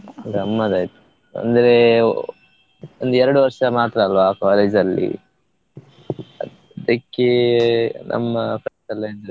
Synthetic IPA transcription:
ɡɾɐmːɐd̪aːjt̪u̥ | ɐ̰nd̪ɐɾe | ond̪uɛɾɐɽuʋɐɾʂɐmaːt̪ɾɐːlʋaːkaːleːd͡ʒ̪ɐlːḭ | ɐ | d̪ɐkːe | nʔɐ̰mːɐpʰɾensɐlːiɐnd̪ɐɾe

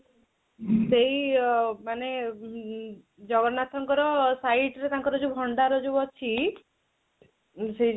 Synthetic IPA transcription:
seɦimane | d͡ʒɔɡɔɾnat̪ʰɔŋkɔɾɔsaiʈɾet̪aŋkɔɾɔd͡ʒubʱɔɳɖaɾɔd͡ʒuɔt͡ʃʰi | seɦi

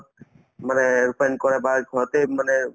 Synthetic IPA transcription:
manɛɹupajnkɔɹɛbaɡʱɔɔt̪emanɛ

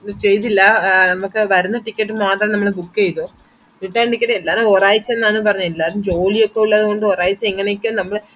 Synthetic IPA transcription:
t͡ɕe̞jt̪ilːɐnɐmukːɨʋɐɾunːɐʈikʲːɐʈːɨmaːt̪rɐmnɐmːɐɭbukːejt̪oː | ʋiʈːaːɳʈikːɐʈːɨelːaːɾumoːraːjit͡ɕːenːaːɳɨpɐrɐɲːuelːaːɾumd͡ʑo̞ːlijokːe̞uɭːɐðɨko̞ɳɖɨoːraːjit͡ɕːɐeŋːɐnejkʲːumnɐmːɐɭ

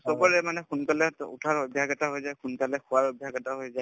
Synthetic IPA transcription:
sɔbɔɹɛmanɛxunkalɛṵtʰaɹɔbʱjaɡɛtaɦojzajxunkalɛkʊwaɹɔbʱjaɡɛtaɦojzaj

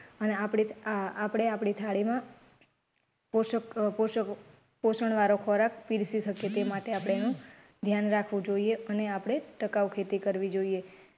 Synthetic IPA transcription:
əneapɽiapɽeapɽit̪ʰaɽimã | ppoʃə | posəɳ̃ʋaɾokʰɔɾak̚piɾsisəkjet̪emaʈeapɽ̃eenũ | d̪ʱjanɾakʰʋũd͡ʒoieəneapɽ̃eʈəkaʋkʰet̪ikəɾʋid͡ʒoie

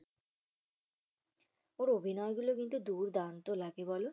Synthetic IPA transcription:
oɾobʱinɔeɡulokint̪ud̪uɾd̪ant̪olaɡebɔlo

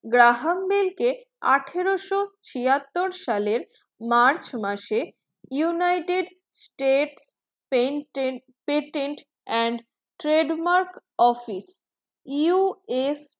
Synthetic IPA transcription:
ɡɾaɦambelke | a̰ʈʰeɾoʃot͡ɕʰiat̪ːoɾʃaleɾ | maɾt͡ɕmaʃe | junajʈeɖ | sʈeʈs | peʈeɳʈ | ɛɳɖ | ʈɾeɖmaɾkɔfis | iues

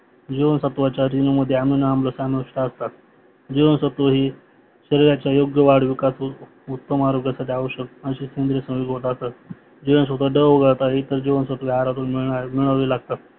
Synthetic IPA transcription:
d͡ʑiʋənsət̪ʋat͡ɕjaɾinuməd̪ʱːjeaminːmləsanuʂʈaəst̪at̪̚ | d͡ʑiʋənsət̪əɦiː | ɕəɾiɾjat͡ɕjajoɡjəʋaɽʋikas | ut̪ːəmaɾoɡjasaʈʰiaʋəɕək̚əɕiːkend̪ɾesə̃w̃jiɡɦot̪ast̪at̪ | d͡ʑiʋəns̬ət̪əɖəʋəɡəɭt̪aɦit̪əɾd͡ʑiʋənsət̪ʋjɦaɾat̪uːlmiɭamiɭaʋiːlaɡ̚t̪at̪̚

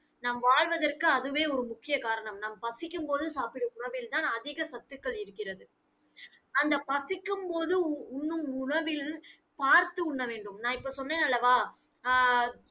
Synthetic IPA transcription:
naːmʋaːɻʋɐðɐrkɯɐðɯʋeːɔɾɯmʊkːɪjɐkaːɾɐɳɐmnaːmpɐsɪkːɯmpoːðɯsaːpɪɽɯʊɳɐʋɪlt̪aːnɐðɪɣɐsɐt̪ːɯkːɐɭɪɾɯkːɪrɐðɯ | ɐnd̪ɐpɐsɪkːɯmpoːðɯʊɳːɯmʊɳɐʋɪl | paːɾt̪ɯʊɳːɐʋeːɳɖɯmnãːɪpːoːsɔnːeːnɐlːɐʋaː

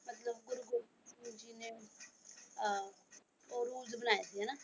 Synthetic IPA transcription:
mɐt̪ləbɡʊɾuɡʊɾ | ud͡ʒine | oɾuːd͡ʒbənaːjed̪ienaː

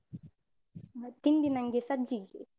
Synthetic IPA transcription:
tindinaŋɡɛsad͡ʒiɡɛ

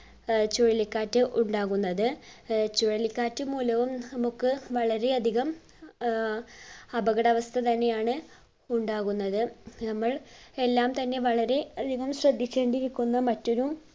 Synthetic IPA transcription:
t͡ɕoɻilikːaːtːɨʔuɳɖaːɣunːɐðɨt͡ɕoɻilikːaːtːɨmuːlɐʋumnɐmukːɨʋɐɭɐɾe̞ɐd̪ʱiɣɐm | ɐbɐɣɐɽɐʋɐst̪ʰɐt̪ɐnːe̞jaːɳɨ | uɳɖaːɣunːɐðɨnɐmːɐɭe̞lːaːmt̪ɐnːe̞ʋɐɭɐɾe̞ɐd̪ʱiɣɐmɕrɐd̪ʱːit͡ɕːeːɳɖiɾikʲːunːɐmɐtːo̞ɾum

